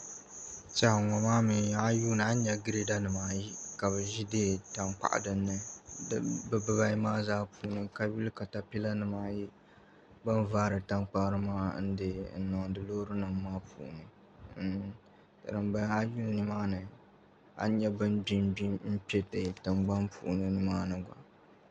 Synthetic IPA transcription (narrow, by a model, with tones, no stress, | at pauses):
t͡ʃa˨hŋɔ˨maː˦mi˨a˦juː˦nɨ˨a˦ɲɛ˦ɡɨ˦ɾe˦da˦nɨ˨maː˨˦ji˦ka˨βɨ˨ʒi˦de˦ta˨ŋk͡pa̰˨ʔa̰˨dɨ˦nːɨ˨˦ | bɨ˨bɨ˦ba˦maː˦zaː˦puː˨nɨ˨ka˦bi˦lka˨ta˨pi˦la˦nɨ˨maː˦ji˦ | ba˦n˦vaː˦ɾɨ˨ta˦ŋk͡pa˦ɾɨ˦maː˦n̩˦dɨ˦n̩˦nɔ˨ŋ˨dɨ˨loː˦ɾɨ˦nɨ˨mːaː˦pṵ˨ʔnɨ˨ | tɨ̰˨dɨ˨mba˦a˦juː˦˨nɨ˦maː˦nɨ˨ | a̰˨˦ɲɛ˦bɨ˦nbi˦mbi˦m̩˦pɛ˦tɨ˨tɨ˨mɡ͡ba˦npʰṵ˨ʔnɨ˨nɨ˦maː˦nɨ˨ɡʷa̰˨